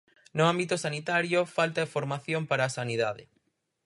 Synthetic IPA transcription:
nʊambit̪ʊsanit̪aɾjofalt̪aefoɾmaθjompaɾaːsaniðaðɪ

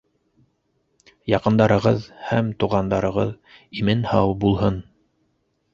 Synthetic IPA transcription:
jɑqɤ̆nd̪ɑɾɤ̆ʁɤðhæmt̪uʁɑnd̪ɑɾɤ̆ʁɤð | imɘnhɑwbulˠɦɤn

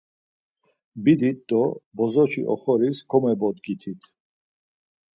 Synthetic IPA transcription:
bid̪it̪̚d̪ɔbɔzɔt͡ʃʰḭʔɔ̰χɔɾiskʰɔmɛbɔd̪ɡit̪ʰit̪ʰ

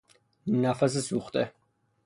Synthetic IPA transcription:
nafas̬əsuχt̪ʼɛ

